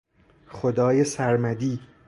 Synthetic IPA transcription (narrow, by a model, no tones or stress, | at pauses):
xod̪ɒːjesæɾmæd̪iː